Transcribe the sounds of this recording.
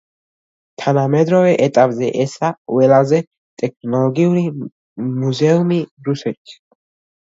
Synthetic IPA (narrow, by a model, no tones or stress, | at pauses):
t̪ʰanamɛd̪ɾɔvɛʔɛt̪ʼapʼzɛʔɛsaqʼwɛlazɛ | t̪ʼɛk̚ʰnɔlɔɡiuɾi | muzɛumiɾusɛt̪ʰ